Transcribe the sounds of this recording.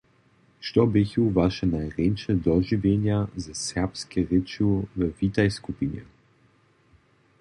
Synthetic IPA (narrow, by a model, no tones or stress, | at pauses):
ʃt̪ɔbɪçuvaʃɛnajʁenʃɛd̪ɔʒivjenjazasɛʁpskɛʁet͡ʃjuvəvit̪ajskupinjɛ̰